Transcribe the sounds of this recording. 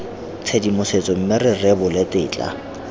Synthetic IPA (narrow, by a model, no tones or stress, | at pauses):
t͡sʰedimʊset͡sʼɔm̩mɪrɪrɛbʊlɪtɪ̰ːt͡ɬʼa̰